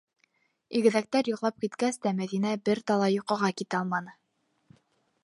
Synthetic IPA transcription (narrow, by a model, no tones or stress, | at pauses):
iɡɘ̆ðæk̚t̪æɾjŏqlˠɑp̚kit̪kæst̪æmæðinæbɘɾt̪ɑlˠɑjuqɤ̆ʁɑkit̪ɘɑlˠmɑnɤ